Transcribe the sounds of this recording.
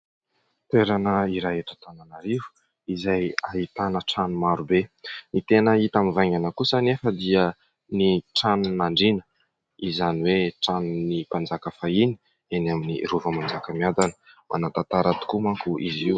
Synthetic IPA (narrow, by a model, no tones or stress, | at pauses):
t̪eɾanəiɾaɦeʈ͡ʂə̥t̪ananaɾivu̥ | izajaɦit̪anəʈ͡ʂanumaɾubenit̪enəit̪amivajŋanakusənefəd̪iə | niʈ͡ʂanunaɳɖ͡ʐinə̥ | izaniweʈ͡ʂanunipand͡zakəfaini̥ | enaminḭruvəmand͡zakəmiad̪anəmʔa̰nat̪at̪aɾat̪u̥kumaŋkuiziw